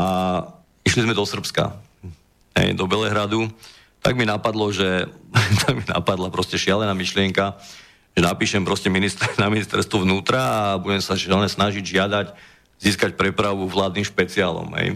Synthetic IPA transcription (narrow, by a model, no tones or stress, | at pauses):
ʔa | iʃlizmɛd̪ɔsr̩pska̰ | ɦɛ̰jd̪ɔbɛlɛɦɾad̪u | t̪a̰ɡminapad̪lɔʒɛt̪ʰaɡmina̰pad̪lapɾɔscɛʃɪalɛnaːmiʃlɪɛŋka | ʒ̥ɛnapiːʃɛmpɾɔscɛminist̪naminist̪ɛ̰ɾst̪ʋɔʋnuːt̪ɾaːbuɟɛmsaʒɪalnɛsnaʒiɟʒɪad̪ac | ziːskacpɾɛpɾaʋuʋlaːd̪niːmʃpɛt͡siaːlɔ̰mɦɛ̰j